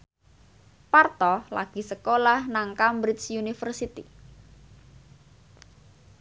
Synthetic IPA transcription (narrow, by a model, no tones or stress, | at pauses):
part̪ɔla̰ɡ̥i̤səkolahnaŋkambɾit̪sjunifərsit̪i